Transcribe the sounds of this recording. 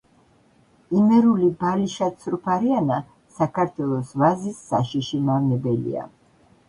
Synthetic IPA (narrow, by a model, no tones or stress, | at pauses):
imɛɾulibaliʃat̪sʰɾpʰaɾiana | sakʰaɾt̪ʰwɛlˠɔsvazisːaʃiʃimavnɛbɛlḭa̰